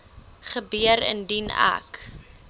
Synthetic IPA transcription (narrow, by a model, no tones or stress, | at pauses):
χəbiəɾə̰ndina̰k